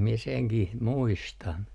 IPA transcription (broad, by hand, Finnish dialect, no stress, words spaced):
mie seŋkih muistɑn